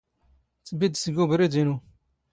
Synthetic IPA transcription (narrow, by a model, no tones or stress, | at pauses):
t͡sːbid̪səɡubɾid̪inu